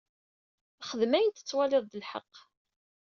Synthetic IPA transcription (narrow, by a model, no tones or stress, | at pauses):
χəðmæjənt̪ə̥t͡sːwælɪðˤd̪əlħɑ̰qː